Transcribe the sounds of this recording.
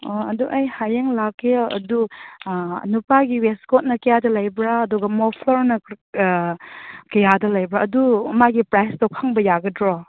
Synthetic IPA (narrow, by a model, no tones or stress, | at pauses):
oɐduʔɐjhajeŋlakːeɐ̰du | ɐ̰nupaɡiweskot̚nɐkɐjadɐlɐjbɾaːduɡɐmɔpʰloɾnɐ | kɐjadɐlɐjbɾaʔɐdumaɡipɾajstɔkʰːaŋbɐjaɡɐdɾɔ